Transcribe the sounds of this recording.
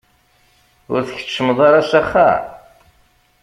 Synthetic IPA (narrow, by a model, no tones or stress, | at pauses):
ʊɾθəçə̥t͡ʃːəmðˤɑɾɑsæχːa̰